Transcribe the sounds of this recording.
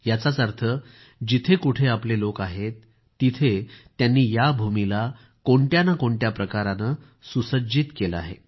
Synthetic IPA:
jat͡sat͡səɾt̪ʰə | d͡ʑit̪ʰekuʈʰeaplelokaɦet̪ː | it̪ʰet̪ːjanːiːjabʱumila | koɳʈjanakoɳʈjapɾəkaɾanə | susəd͡ʑiːt̪keləa̰ɦḛ

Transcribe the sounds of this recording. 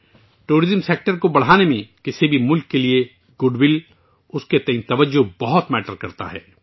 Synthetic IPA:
ʈuːɾɪzəmseːk̚ʈəɾkobɐɽ̤aːnemẽkɪsibʱimʊlkːelie | ɡ̥ʊɖwɪl | ʊsket̪ɐĩnt̪ɐʋəd͡ʒːʊbɐɦʊt̪mɛːʈəɾkɐɾt̪a̰ɦɛ̰ː

